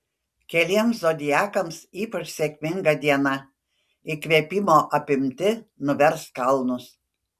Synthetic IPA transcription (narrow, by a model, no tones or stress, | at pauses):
kʲɛlʲiɛmszod̪ʲɪjæːkɐmsiːpɐt͡ʃsʲekʲmʲɪŋɡɐd̪ʲiɛnɐ | ikʋʲiɛpʲimoːʔɐpʲɪmʲt̪ʲɪnʊʋʲɛɾskɐlˠnʊs